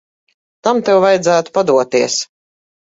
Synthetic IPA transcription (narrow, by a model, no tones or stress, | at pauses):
t̪amt̪ɛwvajd̪zæːt̪u̥pad̪uɔt̪iɛs